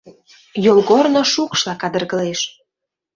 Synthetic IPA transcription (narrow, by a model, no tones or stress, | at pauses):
jolɣornoʃukʃlɑkɑd̪ə̆rɣə̆leʃ